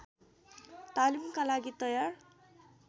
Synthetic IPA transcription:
t̪alimkalaɡit̪ʌjar

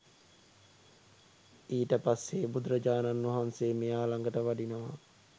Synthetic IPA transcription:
iːʈəpasːeːbud̪ɾəd͡ʒaːnanːʋɐɦanseːmejaːlaŋɡəʈəʋaɖinəʋa

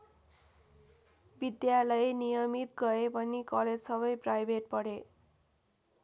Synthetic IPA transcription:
bid̪jalʌjnijʌmit̪̚ɡʌepʌnikʌled͡zsʌβʌjprajbʱeʈ̚pʌɽe

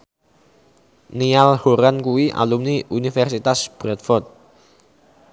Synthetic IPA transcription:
nialhoɾankuwiʔa̰lumniʔunifɛrsit̪asb̥ɾɛt̪̚fɔrt̪̚

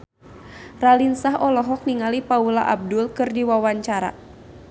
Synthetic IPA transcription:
ralinsaɦɔlɔɦɔk̚niŋalipaulaʔab̚dulkɨrdiwawaɲt͡ʃaɾa̰

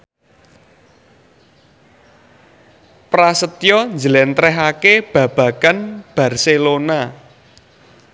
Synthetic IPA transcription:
pɾasət̪jɔnd͡ʒəlɛnt̪ɾɛɦakeb̥ä̤b̥ä̤kanb̥ä̤rselona

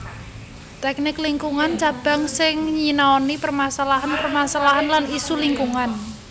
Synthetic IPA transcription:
t̪ɛk̚nɪkliŋkuŋant͡ʃab̥a̤ŋsɪŋɲinaɔnipərmasalaɦanpərmasalaɦanlanisuliŋkuŋan

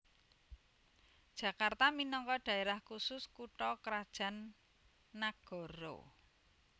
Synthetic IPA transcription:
d̥ʒ̥a̤kart̪aminɔŋkɔɖ̥a̤eɾahkusʊskuʈɔkɾad̥ʒ̥a̤nː | aɡ̥ɔ̤ɾo̰

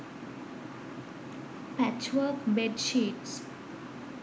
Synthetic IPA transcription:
pæt͡ʃwəːkbeɖʃiːʈs

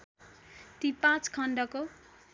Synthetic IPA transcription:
t̪ipãt͡skʰʌɳɖʌko

